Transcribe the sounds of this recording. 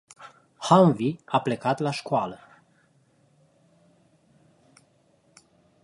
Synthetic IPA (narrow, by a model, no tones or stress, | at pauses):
haɱviaple̞kat̪laʃkalə